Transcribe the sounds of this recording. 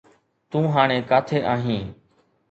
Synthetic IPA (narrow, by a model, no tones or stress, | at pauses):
t̪ũːɦaːɳ̃ẽːkaːt̪ʰeːʔaːɦĩː